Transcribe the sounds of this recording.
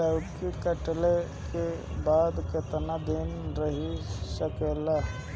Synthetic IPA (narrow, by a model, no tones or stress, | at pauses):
akikəʈle | ke | baːd̪ket̪nad̪inɾəɦisəkela